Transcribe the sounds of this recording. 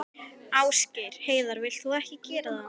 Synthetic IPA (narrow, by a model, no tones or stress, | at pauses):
aːwscɪɾ̥heːjðaɾvɪl̥t̪θuɛhcɪcɛːɾaða